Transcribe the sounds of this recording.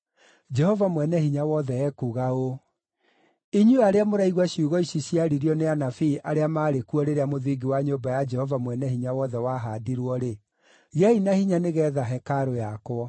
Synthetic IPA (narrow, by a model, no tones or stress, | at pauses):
d͡ʒɛhɔvamwɛnɛhiɲawɔðɛɛkuɣao | iɲuaɾeamoɾaiɣwaɕjuɣɔiɕiɕiaɾiɾiɔneanafiːʔaɾeamaːɾekuɔɾeɾeamoðiɡiwaɲobajad͡ʒɛhɔvamwɛnɛhiɲawɔðɛwaɦadiɾwɔɾe | ɣeainahiɲaneɣɛːðaɦɛkaɾojakwɔ